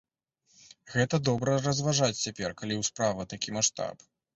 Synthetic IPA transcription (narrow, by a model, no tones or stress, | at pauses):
ɣɛt̪ɐd̪ɔbɾɐrɐzvaʐat͡sʲt͡sʲapʲɛrkalʲiwspɾavɐt̪akʲimaʂt̪a̰p